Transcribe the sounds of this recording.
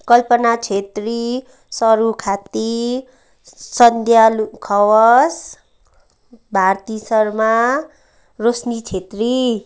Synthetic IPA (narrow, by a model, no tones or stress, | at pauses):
kʌlpʌnat͡sʰet̪ri | sʌɾukʰat̪i | sʌnd̪ʱjalukʰʌwʌs | bʱart̪isʌrma | rosnit͡sʰet̪ri